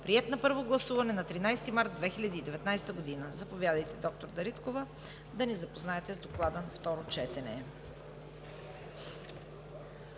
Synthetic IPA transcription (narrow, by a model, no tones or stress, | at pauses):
pɾiɛt̪nɐpɤɾvoɡlˠɐsuvɐnɛnɐt̪ɾinajst̪imaɾt̪̚d̪vɛxilʲɐd̪iːd̪ɛvɛt̪najst̪əɡod̪inəzɐpovʲjad̪əjt̪ɛd̪ɔk̚t̪oɾd̪ɐɾit̪kovə | d̪ɐnɛzɐpoznaɛt̪ɛzd̪oklˠad̪ənɐft̪ɔɾot͡ʃɛt̪ɛnɛ